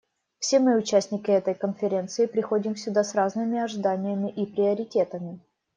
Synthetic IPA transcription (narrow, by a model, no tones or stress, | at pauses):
fsʲe̞mɨʊt͡ɕæsʲnʲɪkʲɪɛt̪əjkənfʲɪɾʲe̞nt̪sɨɪpɾʲɪxo̞dʲɪmfsʲʊd̪asraznɨmʲɪɐʐɨd̪anʲɪjəmʲɪʔipɾʲɪəɾʲɪtʲet̪əmʲɪ